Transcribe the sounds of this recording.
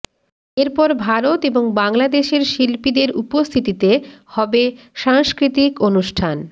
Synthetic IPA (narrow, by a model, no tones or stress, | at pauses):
eɾpɔɾbʱaɾot̪eboŋbaŋlad̪eʃeɾʃilpid̪eɾupost̪ʰit̪it̪ehɔbe | ʃaŋskɾit̪ikonuʃʈʰan